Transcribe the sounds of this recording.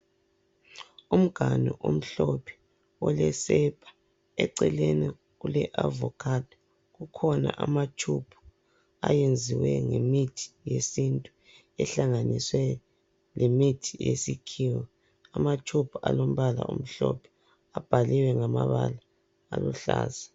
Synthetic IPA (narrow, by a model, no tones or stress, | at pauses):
um̩ɡ̥ʱaniʔom̩ɬɔpʰɛ̥ | ɔlɛsɛpʰʼḁ | ɛǀɛleni | ulɛʔavɔkʰat | ɣukʰɔna̰ʔamat͡ʃʰupʰu̥ | ajend͡zʱiwɛŋemitʰi̥jesintʼu | ɛɬaŋaniswɛ | lemitʰi̥jḛsikʰiːwɔ | amat͡ʃʰupʰualom̩βala̰ʔum̩ɬɔ̰pʰɛ̥ | ab̥ʱaliwɛŋamaβala | a̰luɬa̰ːza